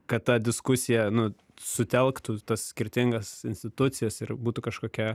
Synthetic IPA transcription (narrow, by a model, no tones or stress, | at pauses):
kɐtt̪ɐd̪ʲɪskʊsʲɪjɛnʊ | sʊt̪ʲɛlˠkt̪uːt̪ɐssʲkʲɪɾʲt̪ʲɪŋɡɐsɪnʲsʲt̪ʲɪt̪ʊt̪sʲɪjɛsɪrbuːt̪uːkɐʃkoːkʲɛ